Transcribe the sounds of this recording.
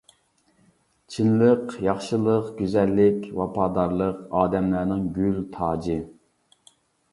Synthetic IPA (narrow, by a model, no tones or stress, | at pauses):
t͡ʃʰinlˠəqjɑχʃɨlˠəqɡ̥ʲyzɛlːɪkʲwɑpʰɑːd̪ɑɾlˠəqɑːd̪ɛmlæɾnɪŋɡʲylt̪ʰɑːd͡ʒɨ